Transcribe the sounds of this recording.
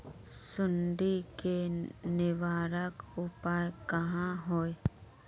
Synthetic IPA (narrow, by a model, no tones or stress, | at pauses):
sʊnɖ̪ikenɪʋaːɾəkʊpaːekɐɦãɦoːe